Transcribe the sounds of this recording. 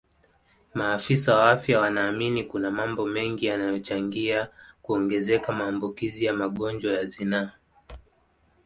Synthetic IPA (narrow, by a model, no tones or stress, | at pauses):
maːfisawaafjawanaːminikunamambɔmɛŋɡijanajɔt͡ʃaŋɡiakuɔŋɡɛzɛkamaːmbukizijamaɠɔnd͡ʒwajazina